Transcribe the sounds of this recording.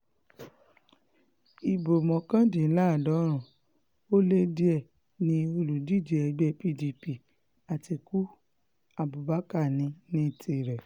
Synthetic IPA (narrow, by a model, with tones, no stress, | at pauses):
i˨bo˨mɔ̃˨kã˦dĩ˨˦la˦˨dɔ˨˦ɾ̃ũ˨ | o˦le˦di˦ɛ˦˨ | nĩ˧o˧lu˨di˦˨d͡ʒi˨˦ɛ˧˨ɡ͡bɛ˧˦pi˦˨di˧pi˨ | a˨ti˧ku˦ | a˧bu˨ba˨˦ka˦˨nĩ˧nĩ˧˦˨ti˧˨ɾɛ˨